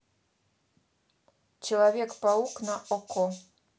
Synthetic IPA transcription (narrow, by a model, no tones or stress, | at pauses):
t͡ɕelˠavʲekpauknaʔoko